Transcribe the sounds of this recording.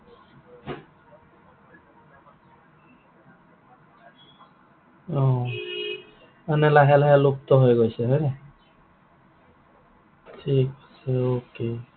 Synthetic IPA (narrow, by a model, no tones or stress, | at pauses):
ɔ | anɛlaɦɛlaɦɛlup̚t̪ɔɦojɡojsɛɦɔjne | tʰikosɛoke